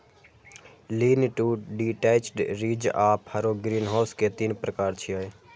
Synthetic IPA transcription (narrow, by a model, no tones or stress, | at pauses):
liːnʈuːɖiːʈeːt͡ʃɖɾiːd͡ʒaːphəɾoɡɾiːnɦaːsket̪iːnpɾəkaːɾt͡ʃʰiaːeː